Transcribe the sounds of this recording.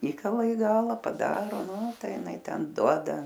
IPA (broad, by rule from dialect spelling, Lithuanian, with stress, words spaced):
ˈiːkɐlˠɐ ɪ ˈɡɑːlˠɐ pɐˈdɑːroː ˈnuː ˈtɐɪ jɪˈnɐɪ ˈtʲɛn ˈduɔdɐ